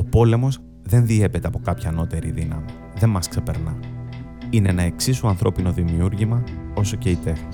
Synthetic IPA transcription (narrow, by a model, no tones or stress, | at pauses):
o̞po̞le̞mo̞z | ðe̞nðie̞pe̞t̪e̞ɐpo̞kɐpçɐːno̞t̪e̞ɾiðinɐmi | ðe̞mmːɐskse̞pe̞ɾnɐ | ineenɐe̞ksisuɐnθɾo̞pino̞ðimiuɾʝimɐo̞so̞ce̞it̪e̞xi